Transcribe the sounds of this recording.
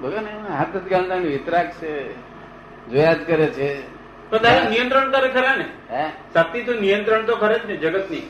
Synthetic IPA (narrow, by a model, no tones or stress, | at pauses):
bʱəɡaneɦat̪ət̪kalnaniʋɪt̪ɾakt͡ʃʰe | d͡ʒojad͡ʒkəɾet͡ʃʰe | pəɾt̪aɾnijə̃nt̪ɾəɳt̪aɾekʰəɾaneɦɛ̃sat̪it̪õnijə̃nt̪ɾəɳt̪okʰəɾed͡ʒned͡ʒəɡət̪ni